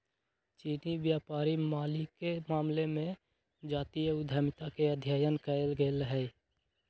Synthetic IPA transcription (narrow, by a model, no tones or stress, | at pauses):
t͡ʃiːniʋjaːpaːɾimaːlikemaːmlemẽ | d͡ʒaːt̪ijəʊd̪ʱaːmɪt̪akeəd̪ʱjaːjənkəelɡeləɦɛ